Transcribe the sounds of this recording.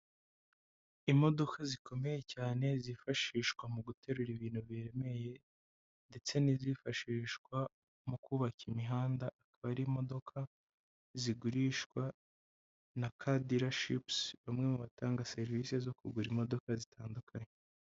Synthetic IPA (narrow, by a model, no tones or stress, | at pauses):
imo̞do̞kazikʰo̞me̞je̞caːne̞zifaʃiːʃkwamuɡute̞ɾuɾiβiːn̥huβiɾe̞me̞je̞ | nde̞t͡se̞nizifaʃiːʃkwa | mukuβakimiɦaːndaʔːkaβaɾiːmo̞do̞kʰa | ziɡuɾiːʃkwa | nakʰadiɾaʃḭpsβamŋe̞muβataːŋɡase̞ɾvise̞zo̞kuɡuɾimo̞do̞kazitaːndukʰaɲe